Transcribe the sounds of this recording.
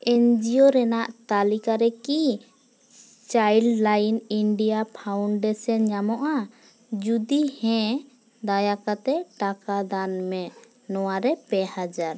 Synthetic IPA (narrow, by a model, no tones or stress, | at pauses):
ɛnd͡ʒioɾɛnaʔt̪alikaɾɛki | t͡ʃajllajniɳɖijapʰawɳɖɛsɔnɲamɔʔa | d͡ʒud̪ihɛ̃ | d̪ajakat̪ɛʈakad̪anmɛ | nɔwaɾɛpɛhad͡ʒaɾ